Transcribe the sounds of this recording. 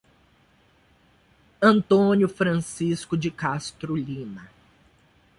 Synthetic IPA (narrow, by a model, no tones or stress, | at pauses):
ɐ̃nt̪õnjʊfɾɐ̃siskʊd͡ʒɪkast̪ɾʊlĩnɐ